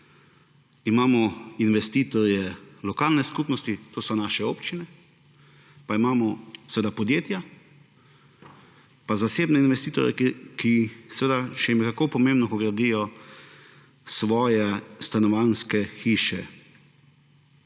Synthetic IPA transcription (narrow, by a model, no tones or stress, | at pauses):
imaːmɔinʋɛst̪iːt̪ɔɾjɛlɔkaːlnɛskupnɔst̪it̪oːsɔnaːʃɛoːpt͡ʃinɛ | paimaːmɔsɛʋeːd̪apɔd̪jeːt̪ja | pazaseːbnɛinʋɛst̪iːt̪ɔ̰ɾjɛ̰kisɛʋeːd̪aʃɛmɛkakopɔmẽmbnɔkɔɡɾad̪ijɔ | sʋɔːjɛst̪anɔʋanskɛxiːʃɛ̰